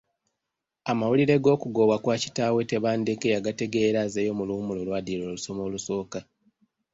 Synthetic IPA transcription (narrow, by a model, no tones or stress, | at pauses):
amawuliɾe̞ɡo̞ːkuɡo̞wakwaːci̥taːwe̞te̞βaːnde̞kejaɡate̞ɡe̞ːɾazejo̞mulumulo̞lwaːdiɾo̞ːluso̞mo̞ːluso̞ːka